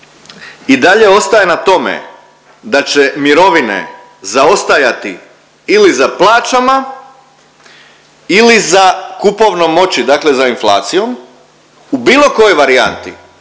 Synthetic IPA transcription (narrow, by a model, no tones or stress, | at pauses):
id̪aʎe̞o̞st̪aje̞nat̪o̞mḛ | d̪at͡ɕemiɾo̞ʋinḛ | zao̞st̪ajat̪i | ilizaplˠaːt͡ʃama | ilizakupo̞ʋno̞mo̞t͡ɕid̪aːkle̞zainflˠa̰ːt̪sijo̞m | ubiːlˠo̞ko̞jo̞jʋaɾia̰nt̪i